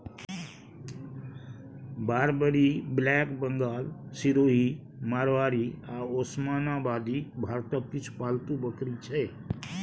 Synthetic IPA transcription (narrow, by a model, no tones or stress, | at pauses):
baːɾbəɾiblɛːkbə̃ŋɡaːlsiɾoːɦi | maːɾʋaːɾiaːoːsmaːnabaːd̪ibʱaːɾt̪əkkːɪt͡ʃʰpaːlt̪ubəkɾit͡ʃʰɛ